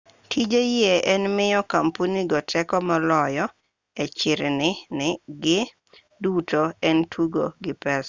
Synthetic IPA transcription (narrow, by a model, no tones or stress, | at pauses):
tʰid͡ʒejeɛnmɪjɔkampuniɡɔtʰɛkɔmalɔjɔ | ɛt͡ʃɪɾnɪnɪɡɪ | dutoɛntʰuɡoɡɪpɛs